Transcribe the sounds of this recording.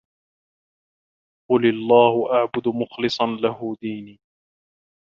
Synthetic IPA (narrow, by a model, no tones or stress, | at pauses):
qʊlɪlˤːaːhʊʔaʕbʊd̪ʊmʊxlɨsˤɑnlaɦʊd̪iːniː